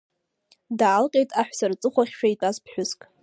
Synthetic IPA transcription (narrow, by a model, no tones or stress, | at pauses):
daːlqʲʼejtʼaħʷᶣsart͡sʼɨχʷaχʲʃᶣaitʼazpʰħʷᶣʊskʼ